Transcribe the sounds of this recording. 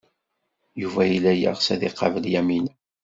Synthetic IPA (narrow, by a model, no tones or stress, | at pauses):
juvæjilæjə̰ʁsæðiqːɑvəljæmin